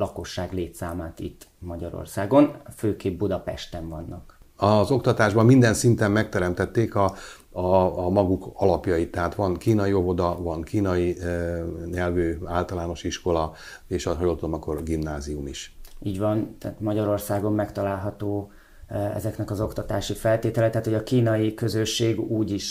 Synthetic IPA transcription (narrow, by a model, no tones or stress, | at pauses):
lɒko̞ʃːaːɡleːt̪saːmaːt̪ḭt̪ːmɒɟɒɾo̰rsaːɡo̞nføːkeːb̚bud̪ɒpɛ̰ʃt̪ɛɱvɒnːɒk | ɒzo̞kt̪ɒt̪aːʒbɒmːind̪ɛnsint̪ɛmːɛk̚t̪ɛɾɛmt̪ɛt̪ːeːkɒ | mɒɡukɒlɒpjɒjit̪ːɛɦaːt̪ʋɒnkiːnɒjio̞vo̞d̪ɒvɒŋkiːnɒji | ɲɛlvøːaːlt̪ɒlaːno̞ʃiʃko̞lɒ | eːʃɒɦɒjolt̪ud̪omɒkːorɡimnaːziumiʃiːɟʋɒnt̪ɛːt̪mɒɟɒɾo̞rsaːɡo̞mːɛkt̪ɒlaːlɦɒt̪oː | ɛ̰zɛknɛkɒzo̞kt̪ɒt̪aːʃifɛlt̪eːt̪ɛlɛt̪ɛaːt̪ho̞ɟɒkiːnɒjikø̞zøʃːeːɡuːɟiʃ